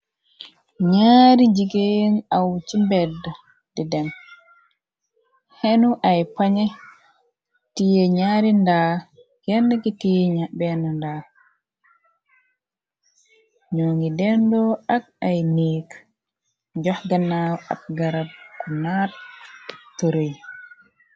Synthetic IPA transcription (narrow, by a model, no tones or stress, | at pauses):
ɲaːɾid͡ʒiɡejenawt͡ʃimbɛdːa | didɛn | hɛnuʔajpaɲɛ | tijɛɲaɾindaː | ɡɛndɛkitijɛɲabɛnɔnda | ɲoːŋɡidɛndɔak̚ajniːk | d͡ʒɔhɡanawa̰p̚ɡaɾat̚kunat̚ | toɾoj